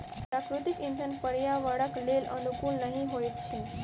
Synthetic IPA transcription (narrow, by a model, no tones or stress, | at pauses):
pɾakɾut̪ikind̪ʱənpəɾjaʋəɽəklelə̰nukuːlnəɦĩɦojt̪̚t͡ɕʰe